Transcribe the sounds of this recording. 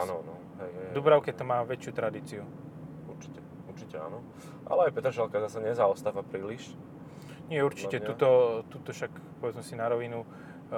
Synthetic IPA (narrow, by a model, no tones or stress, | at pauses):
anɔnɔ | ɦɛjɦɛd̪ubɾaʊkɛt̪ɔmaːʋɛt͡ʃɪuːt̪ɾad̪iːt͡siu | uɾt͡ʃi̥cɛ | uɾt͡ʃicɛa̰nɔ | ʔa̰lɛajpɛt̪ɾʃalkazasɛɲɛzaɔst̪aːʋapɾiːliʃ | ɲɪɛuɾt͡ʃicɛuːt̪ɔt̪uːt̪ɔʃak | pɔʋɛd͡zmɛsinaɾɔʋinu